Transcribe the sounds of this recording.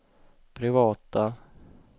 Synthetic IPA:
pʰɾɪvɑːt̪a

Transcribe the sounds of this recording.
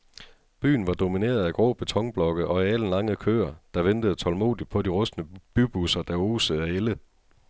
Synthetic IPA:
b̥y̰ːn̩ʋɑ̈d̥o̝mine̝̰ːɐð̩ˠæɡ̥ʁɔ̰ːb̥e̝t͡sʰɒ̽ŋb̥lɒ̽ɡ̥əð̩ˠʔɒ̽iæl̰n̩lɑ̈ŋəð̩ˠkʰø̰ːɐd̥ɑ̈ʋend̥əð̩ˠt͡sʰɒ̽lmo̝̰ːðˠid̥̚pʰɒ̽diʁɔ̽sd̥nəb̥yb̥usɐd̥æo̝ːsəæelə

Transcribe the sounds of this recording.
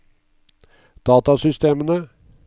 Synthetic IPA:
d̪̥ɑːt̪ɑsʏst̪eːmənə

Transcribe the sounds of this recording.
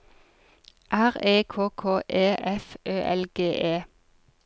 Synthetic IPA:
ʔæʁeːkʰoːkʰoːʔeːʔɛfʔøːʔɛlɡ̥eːʔeː

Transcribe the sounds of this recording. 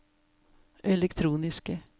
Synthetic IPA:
ʔɛlɛkt̪ʰɾuːnɪskə

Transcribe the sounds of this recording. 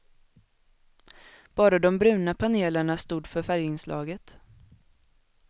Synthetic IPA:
b̥ɑːɾad̪ɔmbɾʉ̟ːnapʰaneːləɳast̪uːd̪fœɾfæɾjəɪnslʔɑ̰ːɡət̪

